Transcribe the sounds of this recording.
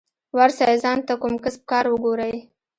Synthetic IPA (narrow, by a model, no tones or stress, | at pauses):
waɾsɑjzɑnt̪akumkəsp̚kɑɾwəɡoɾaj